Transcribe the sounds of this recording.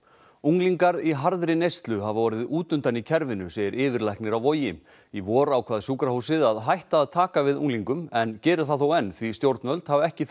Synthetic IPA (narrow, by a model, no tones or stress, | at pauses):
uŋliŋkaɾiɦaɾðɾɪnejst̪lʏɦavvɔːɾɪðuːt̪ʏnt̪anicʰɛɾvɪnʏseːjɪɾʔɪːvɪɾlajhknɪɾawvɔjɪm | ivɔːɾawkʰvaːðsuːkɾaɦowsɪðaðɦajht̪aːðt̪ʰaːkavɪðṵŋliŋkʏmɛncɛːɾʏ̥θaðθowɛnːθvist̪jowɾt̪nvœlt̪havɛhcɪ